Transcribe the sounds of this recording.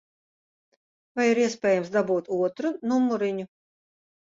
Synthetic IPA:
vajiɾiɛspʲɛːjamsd̪abuːt̪uɔt̪ɾunumːuɾiɲu

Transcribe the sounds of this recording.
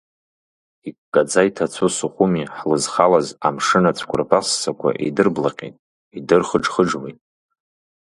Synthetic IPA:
ikʷʼkʼad͡zajtʰat͡sʷʰusɨχʷʼʊmiħlɨzχalaza̰mʂɨnat͡sʷʰkʷʊrpʰʼasːakʷʰa̰ʔḛdɨrblaqʲʼḛtʼ | idɨrχəʈ͡ʂχəʈ͡ʂwḛjtʼ

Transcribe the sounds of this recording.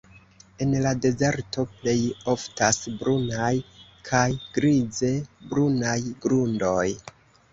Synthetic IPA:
e̞nlade̞ze̞ɾto̞ple̞jo̞ftasbɾʔunajkʰajɡ̥ɾize̞bɾunajɡɾundo̞j

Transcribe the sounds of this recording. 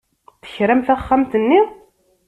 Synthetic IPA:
θə̥çɾæmθæχːamt̪ənːi

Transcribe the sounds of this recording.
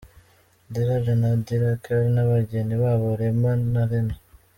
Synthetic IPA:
diɾaʒanadiɾakaɾnaβaɟeniβaβoɾemanaɾena

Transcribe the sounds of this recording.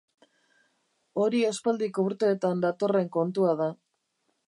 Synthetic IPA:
o̞ɾiaspald̪iko̞uɾt̪e̞ːt̪and̪at̪o̞re̞ŋko̞nt̪uaða

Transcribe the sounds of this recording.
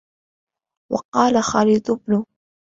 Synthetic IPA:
wɑ̰qɑːlaxɑliːd̪ˤʊbnʊ

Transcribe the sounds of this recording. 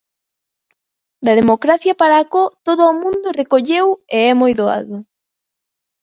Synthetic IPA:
d̪ɐðemokɾaθjɐpaɾaːkɔt̪oðoːmũnd̪ʊrekoʎeweɛmojðoa̰ðʊ

